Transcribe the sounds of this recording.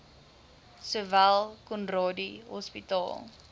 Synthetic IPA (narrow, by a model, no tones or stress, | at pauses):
suvælˠkɔnrɑːdiɦɔ̰spitɑ̰ːlˠ